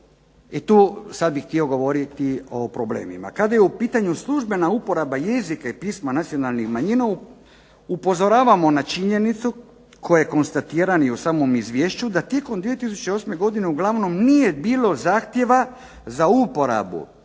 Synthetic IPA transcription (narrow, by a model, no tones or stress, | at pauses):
it̪uːsad̪̚bixt̪io̞ɡo̞ʋo̞ɾit̪io̞pɾo̞ble̞̰ːmḭma̰kad̪ajeupiːt̪aɲuslˠuʒbe̞naupo̞ɾabajezikaipiːsmanat̪sio̞nalnixmaɲina | upo̞zo̞ɾaːʋamo̞nat͡ʃiɲe̞nit̪su | kʰojojeko̞nst̪at̪iɾaniusaːmo̞mizʋjeːʃt͡ɕud̪at̪je̞ko̞md̪ʋije̞t̪is̬ut͡ɕeo̞sme̞ɡo̞d̪ine̞uɡlˠaʋno̞mnije̞biːlo̞zaːxt̪je̞ʋa | zaupo̞ɾa̰bṵ